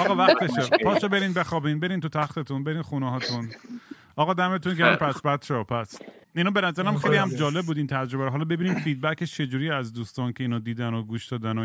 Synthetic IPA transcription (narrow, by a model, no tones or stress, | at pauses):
ɒːɣɒːvæxt̪eʃepʰɒːʃɔbe̞ɾiːnbe̞xɒːbiːnbe̞ɾiːnt̪ut̪ʰæxt̪et̪ʰunbe̞ɾiːnxuneɦɒːt̪ʰun | ɒːɣɒːd̪æmet̪unɟææmpʰæsbæt̪ʃɔpʰæs | inɒːbenæzæɾææmxejlihæmd͡ʒɒːle̞b̚ːuːd̪iːnt̪ʰæd͡ʒɾo̞bæɾɔɦɒːlɒːbe̞biːniːmfiːd̪̚bæcʰet͡ʃʰe̞d͡ʒuːɾiːæzd̪uːst̪ɒːncʰe̞iːnɔːd̪iːd̪ænoɡuːʃd̪ɒːd̪æno